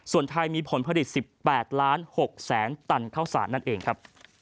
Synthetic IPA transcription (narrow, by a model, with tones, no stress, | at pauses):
su˨˩ənt̪ʰa˧jmiː˧pʰo˩˦npʰa˧di˨˩t̪̚si˨˩pːɛː˨˩t̪̚laː˦˥nho˨˩k̚sɛː˩˦nt̪a˧nkʰaː˥˩wsa̰ː˩˦nːa˥˩nʔeː˧ŋkʰa˦˥p̚